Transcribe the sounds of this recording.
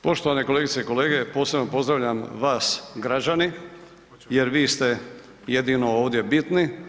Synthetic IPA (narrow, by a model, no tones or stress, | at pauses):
po̞ʃt̪oʋaneko̞leːɡit̪seiko̞leːɡe̞po̞ːse̞bno̞po̞zd̪ɾaʋʎʲamʋaːsɡɾad͡ʒani | jeɾʋiːst̪e̞ | jed̪ino̞oːʋd̪je̞bit̪ni